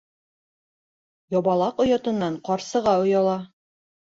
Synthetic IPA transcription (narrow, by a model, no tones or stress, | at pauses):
jɑβɑlˠɑqŏjɑt̪ɤ̆nːɑɴqɑɾsɤ̆ʁɑŏjɑlˠɑ